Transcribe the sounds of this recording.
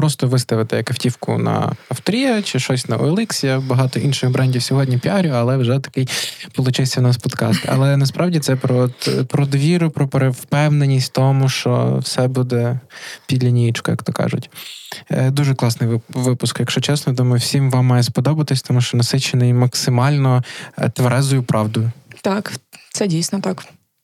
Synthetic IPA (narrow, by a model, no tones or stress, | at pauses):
pɾɔst̪ɔʋɪst̪ɐʋɪt̪ɪjɐkɐftʲiwkʊ̰nɐ̰ɐft̪ɾʲijɐt͡ʃɪʃɔsʲnɐʔɔ̰ɛlˠɛksʲijɐbɐɦɑt̪ɔʔinʃɪxbɾɛnʲdʲiwsʲɔɦɔdʲnʲipʲiɑɾʲʊɐlˠɛwʒɛt̪ɐ̥kɪjpɔlˠʊt͡ʃɪsʲːɐwnɑspɔd̪kɑst̪ɐ̰lˠɛnɐspɾɑwdʲit̪sɛpɾɔɔt̪pɾɔd̪ʋʲiɾʊpɾɔpeɾewpɛwnenʲːisʲt̚ʲt̪ɔmʊʃt͡ʃɔ̰wsɛbud̪ɛpʲid̪ʲlʲɐnʲijit͡ʃkɔjɐ̰kt̪ɔkɑ̰ʒʊ̰tʲ | d̪uʒɛklˠɑsnɪjʋɪpʊskjɐkʃt͡ʃɔt͡ʃɛsnɔjd̪umɐwsʲimʋɑmːɑjɛspɔd̪ɔbɐt̪ɪsʲt̪ɔmuʃt͡ʃɔnɐsɪt͡ʃenɪjmɐksɪmɑlʲnɔt̪ʋɐɾɛzʊjʊpɾʔɑwd̪ʊjʊt̪ɑkt̪sɛdʲijsʲnɔt̪ɑk